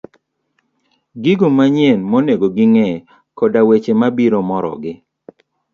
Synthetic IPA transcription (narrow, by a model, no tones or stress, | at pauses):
ɡiɡomaɲjɛnmoneɡoɡɪŋɛ | kɔdawet͡ʃemabiɾomɔɾɔ̰ɡɪ